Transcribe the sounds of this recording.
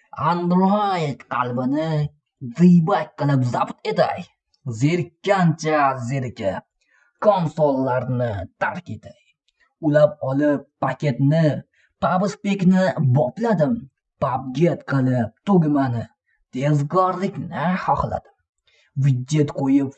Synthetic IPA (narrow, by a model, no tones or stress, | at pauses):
and̪ɾojt̪qʰɑlˠbɪnɪ | zɨjbak̚ʲqɨlˠɪpzabt̪e̞t̪a̰j | zeɾkʲːant͡ʃʰazeɾkʲa | kʰɒnsolˠːaɾnɪt̪ʰaɾkʲe̞t̪ʰaj | ʊlap̚ɒlˠɪpːakʲe̞t̪nɪ | pʰabɪspe̞kʲnɪbɒplad̪ɪm | pab̚ɡʲet̪qʰɨlˠɪp̚t̪ʰoɡʲɪmanɪ | t̪ʰe̞zɡɒɾlɪkʲnɪhɒχlˠa̰d̪̥ɪm | vɪd͡ʒːe̞t̪qʰojɪp